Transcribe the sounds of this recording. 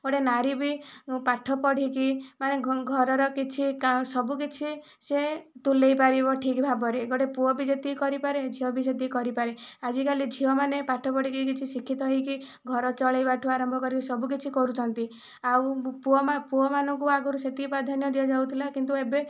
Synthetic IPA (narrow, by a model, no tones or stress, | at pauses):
ɡ̥ɔɽenaɾibipaʈʰɔpɔɽ̤ikimaneɡʱɔɾɔɾɔkit͡ʃʰiksɔbuk̬it͡ʃʰi | set̪ulejpaɾibɔʈʰikbʱabɔɾeɡɔɽepuɔbid͡ʒet̪ikɔɾipaɾed͡ʒʱiɔbis̬et̪ikɔɾipaɾead͡ʒikalid͡ʒʱiɔmanepaʈʰːɔpɔɽikik̬it͡ʃʰisikʰːit̪ɔɦiki | ɡʱɔɾɔt͡ʃɔɭajbaʈʰuaɾɔmbʱɔkɔɾikisɔbuk̬it͡ʃʰikɔɾut͡ʃʰɔnt̪i | awupuɔmapuɔmanɔŋkuaɡɔɾuset̪ipɾad̪ʱanjɔd̪ijɔd͡ʒaut̪ʰilakint̪uebe